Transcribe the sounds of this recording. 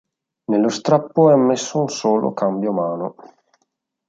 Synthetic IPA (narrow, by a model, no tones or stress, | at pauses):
nelːost̪ɾapːoɛamːesːounsoːlo̰kambjomaːno